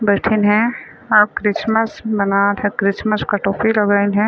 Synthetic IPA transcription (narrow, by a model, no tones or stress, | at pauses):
bɛʈʰɪnɦɛ̃ | ɔːɾkɾɪsməsbɐnaːt̪ɦɛ̃kɾɪsməskɐʈoːfilɐɡaːinɦɛ̃